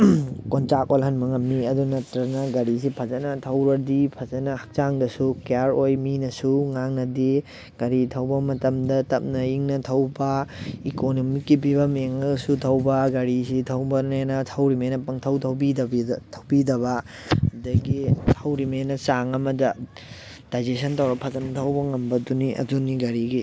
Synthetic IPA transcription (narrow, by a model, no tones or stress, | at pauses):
kont͡ʃakolɦɐnmɐŋɐmniɐdunɐtɾɐnɐɡɐɾis̬ipʰɐzɐnɐtʰɐwɾɐɾdipʰɐzɐnɐhɐk̚t͡ʃaŋdɐsukejaɾojminɐsuŋaŋnɐdi | ɡ̥ɐɾitʰɐwbɐmɐtɐmdɐtɐp̚nɐiŋnɐtʰɐwbɐikonomikːibibɐmeŋɐsutʰɐwbɐɡɐɾisitʰɐwbɐnenɐtʰɐwɾimenɐpɐŋtʰɐwtʰɐwbidɐbitʰɐwbidɐβɐ | ɐdɐɡitʰɐwɾimenɐt͡ʃaŋɐmɐdɐ | d̥ajd͡ʒesʰɐntʰɐwɾɐp̚pʰɐzɐnɐtʰɐwbɐŋɐmbɐduniʔɐ̰duniɡɐɾiɡi